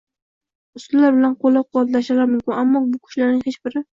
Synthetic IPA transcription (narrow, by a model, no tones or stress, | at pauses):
ʊst̪ʊlaɾbɪlanqʰolːaqʰʊwat̪laʃalaɾmʊmkʲɪnamːɒbʊkʰʊ̥ʃlaɾnɪŋhet͡ʃbɪɾɪ